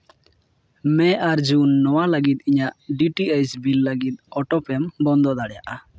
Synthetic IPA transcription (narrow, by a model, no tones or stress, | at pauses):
mɛʔaɾd͡ʒunːɔwaləɡit̪̚iɲaʔɖiʈiəjsbilːəɡit̪̚ɔʈɔpɛmbɔnd̪ɔd̪aɽja̰ʔa